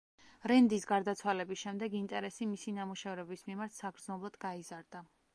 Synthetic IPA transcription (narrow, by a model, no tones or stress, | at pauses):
ɾɛnd̪isɡaɾd̪at̪sʰwalɛbisʃɛmd̪ɛɡint̪ʼɛɾɛsimisinamuʃɛvɾɛbismimaɾt̪ʰsaɡɾd̪znɔblˠad̪ɡaizaɾd̪̥a